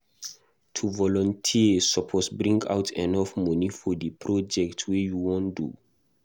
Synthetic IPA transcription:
tʰuvɔlɔ̃ntʰisɔpʰɔsbɹĩŋɡa̰wtʰɛ̃nɔfmɔnifɔdəpʰɹɔd͡ʒɛktʰwijuwɔ̃ndṵ

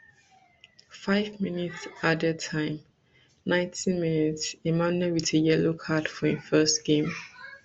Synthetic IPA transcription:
faɪvminitsadətʰãɪ̃m | nãɪ̃ntʰĩnminitsimãnɛwitəjɛlokʰadfɔĩfɜstɡ̥ẽm

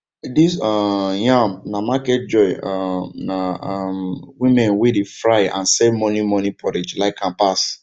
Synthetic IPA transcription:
disɔjãmnamakɛt̚d͡ʒɔɪɔnamwĩmɛ̃nwedefɹaɪã̰nsɛvmɔnimɔnipʰɔɾed͡ʒlaɪkʰãnpas

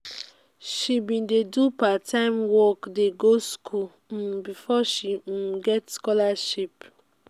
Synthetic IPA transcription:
ʃibĩndedupatʰãɪ̃mwɔkdeɡoskʰul̩ | bifɔʃiɡɛtskɔlaʃip

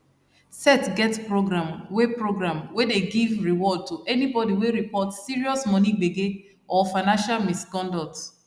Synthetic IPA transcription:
sɛtɡɛtpɹoɡɹãmwepɹoɡɹãmwedeɡivɹiwɔd̚tuʔɛnibɔdiweɹipɔtsiɹiɔsmɔniɡ͡beɡe | ɔfaɪnãnʃalmiskɔ̃ndɔt

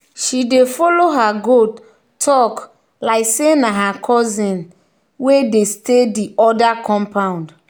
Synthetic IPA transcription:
ʃidefɔloɦaɡo | tʰɔk | laɪksenaɦakʰɔzĩn | wedestediɔdakɔ̃mpãʊ̃nd

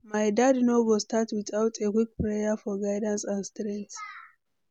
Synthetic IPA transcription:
majd̪ad̪noɡɔst̪at̪wɪtawt̪ekwik̚pɾejɐfɔɡajdɐnsanst̪ɾɛ̃ŋt

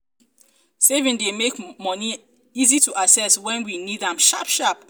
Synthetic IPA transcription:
sevĩndemekmɔni | izituʔasɛswɛ̃nwinidãmʃapʃap

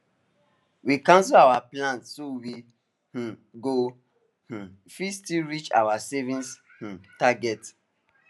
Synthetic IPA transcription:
wikãns̬ɔawaplãntsowi | h̩ | ɡo | h̩ | fistiɹit͡ʃa̰wasɛvĩns | h̩taɡɛt

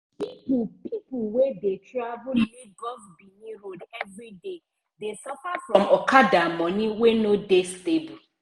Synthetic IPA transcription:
ipupipʊwedetɹavuniɡɔsbinĩɾodɛvɹide | desɔfafɹɔ̃mɔkadamɔ̃nĩwenodestebu

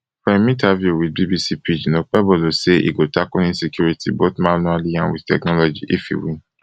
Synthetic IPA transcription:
fɛ̃mĩtavjuwid̚bibisipʰid͡ʒinok͡pɛbɔloseḭɡotakulĩnsikʰjuɾitʰiboθmãnualiãnwḭ̥tɛ̰knɔlɔd͡ʒiʔifḭwĩn

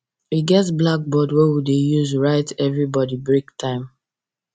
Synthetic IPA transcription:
iɡɛtblak̚bɔdwɛwidejuzɹaɪtʰɛvɹibɔdibɹiktʰãɪ̃m

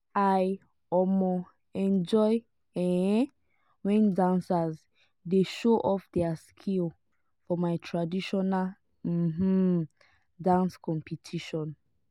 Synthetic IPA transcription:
aj | ɔmɔ | ɛ̃nd͡ʒɔɪ | ɛ̃ | wɛ̃ndãnsaz | deʃoʔɔfdɛaskʰil | fɔmajtʰɹadiʃɔnal | m̩m̩ | dãnskʰɔ̃mpʰitʰiʃɔ̃n

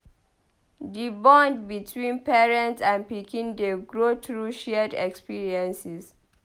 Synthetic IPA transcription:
dibɔ̃ndbitʰwĩnpɛɹɛ̃ntsãnpikĩndeɡɹotɹuʃɛdɛ̰kspiɹiɛ̃nsis

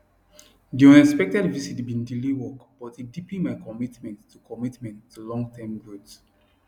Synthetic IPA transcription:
diɔ̃nɛspɛk̚tɛdvisitbĩndiliwɔkb̥ɔtidipĩmaɪkɔmitmɛ̃ntːʰukʰɔmitmɛ̃ntʰːulɔ̃ŋɡtʰɛ̃mɡot

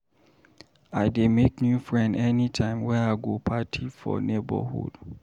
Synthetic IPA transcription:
aɪdemeknjufɹɛ̃ndɛnitʰãɪ̃mwɛaɪɡopʰatʰifɔ̰nebə̰hṵd̥

